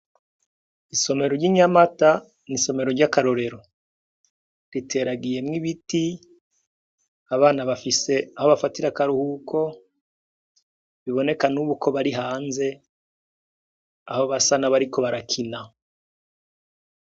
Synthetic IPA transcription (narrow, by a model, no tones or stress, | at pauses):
iso̞me̞ɾoɾɟiɲamata | niso̞me̞ɾo̞ɾɟakaɾo̞ɾe̞ɾo̞ | ɾitʰe̞ːɾaɡije̞mŋiβiti | aβaːnaβafise̞aho̞βafatiɾakaɾuhukʰo̞ | βiβo̞ne̞kanuβukʰo̞βaɾiɦaːnze̞ | a̰ho̞βasanaβaɾiko̞βaɾakʰina